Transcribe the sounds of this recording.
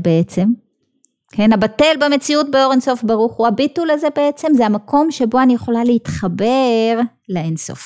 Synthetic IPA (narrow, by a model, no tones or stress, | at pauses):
beet͡se̞m | ke̞nabate̞lbeme̞t͡siut̚beo̞ʁenso̞fbaʁuχhuhabitulaze̞be̞et͡se̞mzehamako̞mʃe̞bo̞anijeχo̞laleitχabe̞ʁ | leenso̞̰f